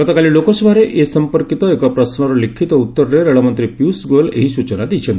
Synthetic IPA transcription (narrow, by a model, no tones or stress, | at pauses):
kət̪ɔkaliːlokɔsʋaɾeʔesəmpəɾkit̪ɔekɔpɾəsnɔɾɔlikʰːit̪ɔut̪ːəɾɾeɾeɭɔmənt̪ɾipjusɡolḛɦisut͡ɕənad̪it͡ɕʰẽnt̪